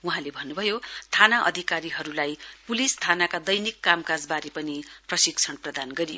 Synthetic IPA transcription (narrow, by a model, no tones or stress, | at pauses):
wuɦãlebʱʌnːubʱʌjot̪ʰanaʔʌ̰d̪ʱikaɾiɦʌɾulajpulist̪ʰanakad̪ʌjnikːamkad͡zbaɾipʌniprʌsikt͡sʰʌnprʌd̪anɡʌɾijo̰